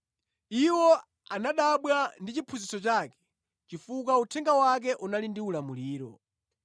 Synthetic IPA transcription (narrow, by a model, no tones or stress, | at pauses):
iwɔ | anaɗaɓwandit͡ʃipʰuzisɔt͡ʃaːkɛ̥ | t͡ʃifuk̬autʰɛŋɡawak̬ɛʔunalindiulamuliːɾɔ̰